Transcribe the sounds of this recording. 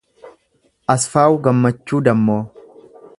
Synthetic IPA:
ʔɐsfaːwʊɡɐmːɐt͡ʃːuːd̪ɐmːoː

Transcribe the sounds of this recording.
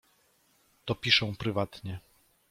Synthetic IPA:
t̪ɔpʲiʂɛ̃w̃pɾɘvat̪ɲɛ

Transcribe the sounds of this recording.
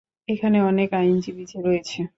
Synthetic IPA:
ekʰaneɔnekajnd͡ʑibid͡ʑeɾɔet͡ɕʰe

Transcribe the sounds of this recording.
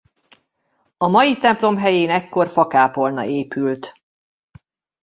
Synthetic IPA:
ɒmɒjit̪ɛmplo̞mɦɛjeːnɛkːo̞rfɒkaːpo̞lnɒ̰ʔeːpʰylt̪

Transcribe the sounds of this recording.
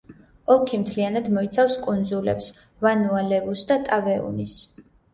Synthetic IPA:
ɔkʰimt̪ʰlianad̪mɔit̪sʰafskʼund̪zulɛ̰ps | vanualɛvusd̪at̪ʼavɛṵnis

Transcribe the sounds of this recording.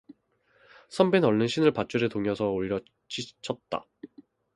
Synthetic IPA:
sʰʌmbenʌɭːɯnɕʰinɯɭpat͡ɕ͈uɾetoŋjʌsʰʌoɾiɾʌ | t͡ɕʰit͡ɕʰʌt̚t͈a̰

